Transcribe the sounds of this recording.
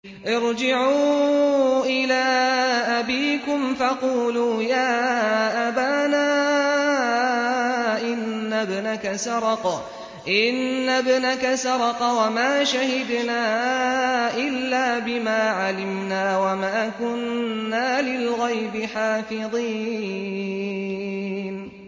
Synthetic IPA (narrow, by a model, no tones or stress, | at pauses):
ʔɑɾd͡ʒɪʕuː | ʔɪlaːʔabiːkʊmfɑquːluːjaːʔabaːnaː | ʔɪnːabnakasɑɾˤɑq | ʔɪnːabnakasɑɾˤɑqwamaːʃahɪd̪naː | ʔɪlːaːbɪmaːʕalɪmnaːwamaːkʊnːaːlɪlɣajbɪħaːfɨðˤiː | n